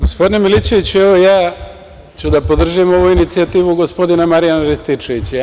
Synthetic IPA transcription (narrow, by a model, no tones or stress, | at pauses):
ɡospod̪inemilit͡ʃeʋit͡ɕueʋo̞jaː | t͡ɕud̪apo̞d̪r̩ʒiemo̞ʋuinit̪siat̪iːʋuɡo̞spo̞d̪inamaɾijanaɾest̪it͡ʃeʋit͡ɕ